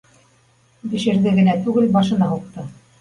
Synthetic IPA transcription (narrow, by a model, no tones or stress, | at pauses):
bɘ̆ʃɘ̆ɾðɘɡɘ̆næt̪ʉɡɘlbɑʃɤ̆nɑɦuq̚t̪ɤ